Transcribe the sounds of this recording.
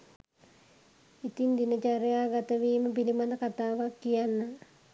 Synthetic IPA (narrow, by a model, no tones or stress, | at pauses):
it̪ind̪inət͡ʃaɾejaɡat̪əʋiːməpilimad̪ɐkat̪aːʋakːijanːa